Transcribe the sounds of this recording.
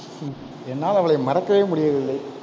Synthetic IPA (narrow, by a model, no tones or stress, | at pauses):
ɛnːaːlɐʋɐɭɐɪmɐɾɐkːɐʋeːmʊɽɪjɐðɪlːɐɪ